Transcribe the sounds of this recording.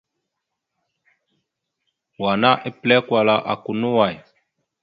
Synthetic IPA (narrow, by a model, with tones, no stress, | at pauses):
wa˨na˦ʔe˦plɛ˦kwa˨la˨ʔa̰˨ku˨nu˦wa˨j